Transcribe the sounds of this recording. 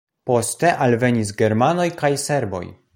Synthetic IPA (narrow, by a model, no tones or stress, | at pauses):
po̞ste̞ʔalve̞ɲis̬ɡe̞ɾmano̞jkajse̞ɾbo̞̰j